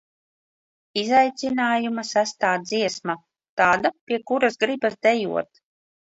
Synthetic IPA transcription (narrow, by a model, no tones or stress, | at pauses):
izajt̪sinaːjumasast̪aːziɛsma | t̪aːd̪apʲiɛkuɾazɡɾibazd̪ɛjṵɔt̪